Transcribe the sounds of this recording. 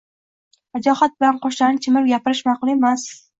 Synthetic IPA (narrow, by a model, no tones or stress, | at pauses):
ad͡ʒɒhat̪̚bɪlanqɒʃlanɪt͡ʃʰɪmɪɾɡʲapɪɾɪʃmɑqʊlˠemas